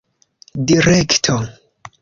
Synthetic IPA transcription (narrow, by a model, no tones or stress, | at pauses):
diɾektʰo